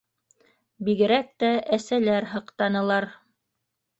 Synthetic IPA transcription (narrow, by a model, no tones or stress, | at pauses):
biɡɘ̆ɾæk̚t̪æʔæsælæɾɦɤ̆qt̪ɑnɤ̆lˠɑɾ